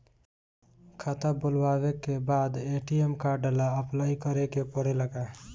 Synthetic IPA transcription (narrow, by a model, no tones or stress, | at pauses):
kʰat̪abʊlwaːwekebaːd̪eːʈiemkaɖəlaəplaːikəɾekepəɽeləɡaː